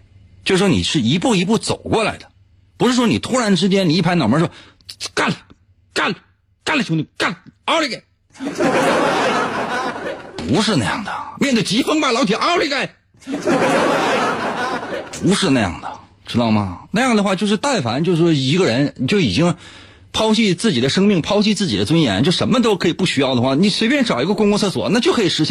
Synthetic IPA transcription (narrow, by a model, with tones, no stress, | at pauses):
t͡ɕjo˥˧ʂɻ̩˥˩wnḭ˨˩ʂɻ̩˥˩i˧˥pu˥˩i˧˥p̬u˥˩t͡so̰˨˩ʊkwɔ˥˩la̰˧˥ɪd̪ə̥˦ | pu˧˥ʂɻ̩˥˩ʂwɔ˥ni˨˩t̪ʰu˥ɻa˧˥nʈ͡ʂɻ̩˥t͡ɕjɛ˥ni˨˧˥i˥˩pʰa˥ɪnɑ˨˩mə˧˥ʂwɔ˥ | ka˥˩n | ka˥˩n | ka˥˩ɪlə˩t͡ɕʰʊ˧˥ŋni˧ka˥˩ɑ˥ʊli˧˥ka˥˩˥ | pu˧˥ʂɻ̩˥˧na˥˧jɑ̰˥˩ŋd̪ə˩mʲjɛ˥˧nt̪ə˥˩ɪt͡ɕi˧˥fɤ˥ŋpa˧˥˩lɑ˧˥t̪ʰi˧˩ʔɑ˥li˧˥ka˥˩ɪ˥ | pu˧˥ʂɻ̩˥˧na˥˧jɑ̰˥˩ŋd̪ə˩ | ʈ͡ʂɻ̩˥d̪ɑ˥˩ʊmɐ˨˩na˥˧jɑ˥˩ŋd̪ə˩xwa˥˧t͡ɕjo˥˧ʊʂɻ̩˥˧t̪a˥˩ɪfa̰˧˥nt͡ɕjʂ̩˥˩ʂwɔ˥i˧˥ɡə˧ɻə˧˥n˨˩t͡ɕjo˥˩ʊi˨˩t͡ɕi˥ŋ | pʰɑ˥ʊt͡ɕi˥˧t͡sɹ̩˥˩t͡ɕi˨˩d̪ə˦ʂɤ˥ŋmi˥˩ŋpʰɑ˥ʊt͡ɕi˥˧t͡sɹ̩˥˩t͡ɕi˨˩d̪ə˦t͡swə˥njɛ̰˧˥nt͡ɕjʂə˧˥nmə˧t̪̬o˥ʊkʰɤ˧˥i˨˩pu˥˩ɕy˥jɑ˥˩ʊd̪ə˩xwa˥˩ni˧˩swe˥ɪpjɛ˥˧nʈ͡ʂɑ˨˩ʊi˧˥ɡə˧kʊ˥ŋkʊ˥ŋt͡sʰɤ˥˩swɔ̰˨˩˦na˥˩t͡ɕjo˥˩ʊkʰɤ˧˥i˨˩ʂɻ̩˧˥ɕɛ˥